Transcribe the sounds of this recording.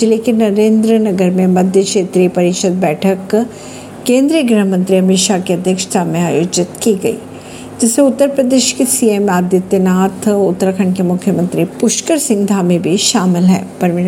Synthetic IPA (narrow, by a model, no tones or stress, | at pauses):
lekɪnːɐɾẽːnd̪ɾənɐɡəɾmẽmɐd̪ʱjəkʃeːt̪ɾipɐɾɪkʃəd̪̚bɛːʈʰəkː | ẽːnd̪ɾijəɡɾəɦəmə̃nt̪ɾiɐmɪʃakeɐd̪ʱjəkʃt̪ʰamẽaːjoːd͡ʒɪt̪kiɡɐḭː | d͡ʒɪsẽʊt̪ːəɾpɾəd̪eːʃkisiːemaːd̪ɪt̪ːenaːt̪ʰʊt̪ːɾəkʰəɳ̃kemʊkʰːjəmə̃nt̪ɾipʊʃkəɾsɪ̃ŋɡd̪ʱaːmebʱiʃaːmɪlɦɛ̰ːpɐɾm